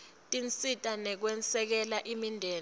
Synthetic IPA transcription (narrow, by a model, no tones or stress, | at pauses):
tʼint͡sʼitʼanɛk̬wɛnt͡sɛk̬ɛlaʔimindʱɛːl